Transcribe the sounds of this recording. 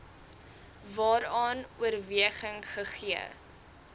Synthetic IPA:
vɑːɾɑːnuərviəχəŋχəχiə̰

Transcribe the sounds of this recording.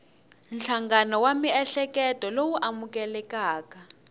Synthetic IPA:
nt͡ɬʰaŋɡanɔwamiɛɬɛkɛtʼɔlowuʔamukɛlɛkaːka

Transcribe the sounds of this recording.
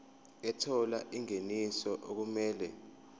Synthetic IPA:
ɛtʰɔlaʔiŋenisɔʔok̬umɛːlɛ

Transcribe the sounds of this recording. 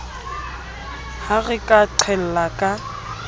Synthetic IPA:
haɣɪkʼaǀʰɛl̩lakʼa

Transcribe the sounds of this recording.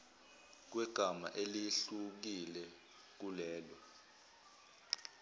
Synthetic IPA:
k̬wɛɡ̥ʱama̰ʔeliɬuk̬ilɛ | k̬ulɛːlɔ

